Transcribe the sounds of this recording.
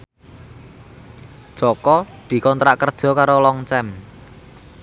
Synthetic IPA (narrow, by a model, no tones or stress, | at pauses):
ʒ̥ɔkɔd̪̥i̤kɔnt̪ɾaʔkərd̥ʒ̥ɔ̤kaɾolɔŋt͡ʃɛm